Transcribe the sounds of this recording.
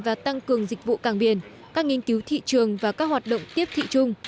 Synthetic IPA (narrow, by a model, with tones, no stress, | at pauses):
vaː˨˩t̪a˧ŋkɨ˨˩əŋzï˨˩k̟̚vṵ˧˨kaː˧˩ŋɓi˧˩ən | kaː˦˥k̚ŋi˧ənki˨˦wt̪ʰḭ˧˨t͡ɕɨ˨˩əŋvaː˨˩kaː˦˥k̚hwaː˨˩t̚ɗo̰˧˨wŋ͡mt̪i˦˥əp̚t̪ʰḭ˧˨t͡ɕʊ˧ŋ͡m